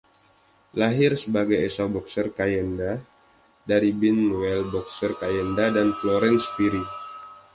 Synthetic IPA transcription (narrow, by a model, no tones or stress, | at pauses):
laɦɪrsəbaɡajesabɔksərkajɛnda | daɾibinwɛlbɔksərkajɛndadanfloɾɛnspiɾi